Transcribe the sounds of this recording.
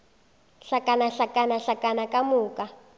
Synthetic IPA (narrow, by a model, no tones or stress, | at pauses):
ɬakʼanaɬakʼanaɬakʼanakʼamuːkʼa